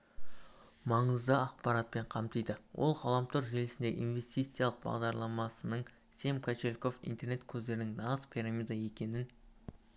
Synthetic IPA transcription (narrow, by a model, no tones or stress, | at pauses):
mɑɴəzd̪əɑqpɑɾɑt̪̚pe̞ɴqʰɑmt̪əjd̪əwʔo̞̰lˠqʰɑlˠɑmt̪ʰoɾʒelɪsɪnd̪e̞̰ʔḭnve̞st̪ijt̪sɨjalˠəq̚bɑ̰ʁd̪ɑɾlˠɑmɑsənəɴ | se̞mkʰat͡ʃe̞lʲko̞fḭnt̪e̞ɾne̞t̪̚kʲʰɵzd̪e̞ɾɪnɪŋnɑʁəzpʰiɾamʲijd̪aje̞kʲe̞nɪn